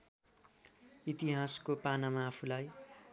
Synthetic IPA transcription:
it̪iɦaskopanamaːpʰulaj

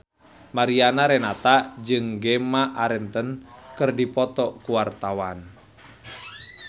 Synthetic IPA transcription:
maɾianaɾɛnat̪ad͡ʒɨŋɡɛmaʔaɾɛnt̪ənkɨrdipɔt̪ɔkuwart̪awan

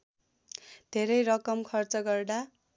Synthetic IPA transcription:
d̪ʱeɾʌjɾʌkʌmkʰʌrt͡sʌɡʌrd̪a

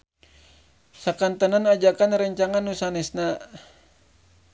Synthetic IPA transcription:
sakant̪ənanad͡ʒakanɾəɲt͡ʃaŋanːusanɛsna

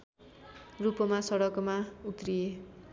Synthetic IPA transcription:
rupʌmasʌɽʌkmaut̪rije

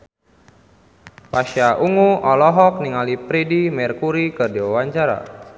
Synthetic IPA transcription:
paʃaʔuŋuʔɔlɔɦɔk̚niŋalipɾɛdimɛrkuɾikərdiwawaɲt͡ʃaɾa̰

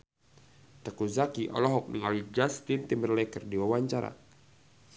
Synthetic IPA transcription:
t̪əkuzakiʔɔ̰lɔɦɔk̚niŋalid͡ʒast̪int̪imbərlɛkərdiwawaɲt͡ʃaɾa̰

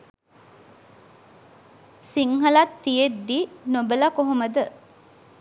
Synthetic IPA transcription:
siŋɦɐlɐt̪ːijed̪ːinobəlɐkoɦoməd̪ə

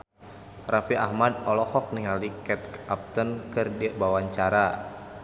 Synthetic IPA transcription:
rafiʔa̰hmad̪̚ɔlɔkɔk̚niŋalikɛt̪̚kʔap̚t̪ənkɨrdibawaɲt͡ʃaɾa

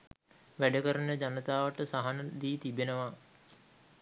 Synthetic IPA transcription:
ʋæɖəkəɾənəd͡ʑanət̪aːʋəʈəsaɦanəd̪iːt̪ibenəʋa

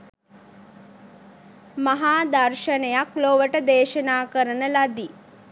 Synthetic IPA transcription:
maɦaːd̪ɐɾʃənejakloʋəʈəd̪eːʃənaːkəɾənəlad̪i

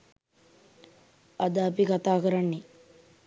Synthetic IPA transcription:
ad̪əːpikat̪aːkəɾanːe

